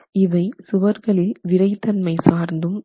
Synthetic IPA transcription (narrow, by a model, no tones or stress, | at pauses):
ɪʋɐɪsʊʋɐɾɣɐɭɪlʋɪɾɐɪt̪ːɐnmɐɪsaːɾnd̪ɯm